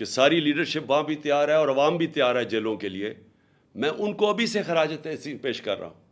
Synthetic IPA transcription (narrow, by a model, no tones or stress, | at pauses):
kesaːɾiliːɖəɾʃɪpʋɐãbʱit̪ɪjaːɾɦɛɔːɾɐʋaːmbʱit̪əjaːɾɦɛd͡ʒeːlõkelie | mɛ̃ːʔʊnkoɐbʱisexɐɾaːd͡ʒət̪esipeːʃkɐ̰ɾːa̰ːɦũː